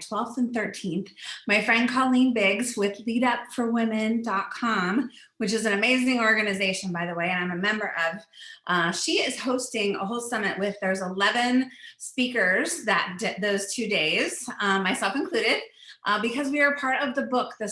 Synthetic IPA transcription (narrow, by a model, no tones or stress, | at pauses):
tʰw̥ɛlˠfθɨ̃nθɜ˞tʰĩnθmaɪfɹɛ̃nd̚kʰɔlˠĩnbɪɡzwɪðliɾʌpfə˞wɪ̃mɨ̃ndɑt̚kʰɑ̃m | wɨt͡ʃɨzɨ̃nɨmeɪzɪ̃ŋɔɹɡɨnɨzeɪʃɨ̃nbaɪðəweɪɨ̃nãɪ̃mɨmɛ̃mbə˞ʔʌv̥ʔʃiɪz̥hoʊstɪ̃ŋə̰ɦoʊlˠsʌmɨʔwɪðə˞zəlɛvɨ̃nspikə˞zðɨt̚d̥ɨt̪ðoʊz̥tʰʉdeɪz̥maɪsɛlˠfɨ̃nkʰl̥ʉɾɪd̥̚ʔbɨkʰʌzwiə˞pʰɑɹɾʌvðəbʊk̚ðɨ